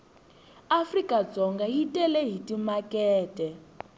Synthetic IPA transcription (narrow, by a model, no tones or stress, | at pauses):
afrikʼad͡zɔŋɡaɦitʼɛlɛɦitimakɛːtʼɛ